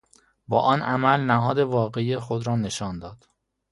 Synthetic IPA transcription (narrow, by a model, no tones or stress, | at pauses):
bɒːʔɒːnʔæmælnæɦɒːd̪e̞vɒːɣe̞iːjexod̪ɾɒːne̞ʃɒːnd̪ɒːd̪̥